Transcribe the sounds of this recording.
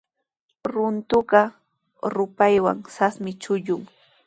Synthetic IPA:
ɾʊnt̪ʊɢɑ | ɾʊpajwa̰ŋsasmɪt͡ʃʊʎʊŋ

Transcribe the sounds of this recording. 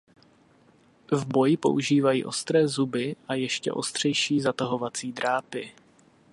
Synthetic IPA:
vbo̞jɪpo̞̰ʔuʒiːvajḭːʔo̞̰st̪ɾɛːzubɪʔajɛʃcɛ̰ʔo̞̰st̪r̝̥ɛjʃiːzat̪aɦo̞vat͡siːd̪ɾaːpɪ

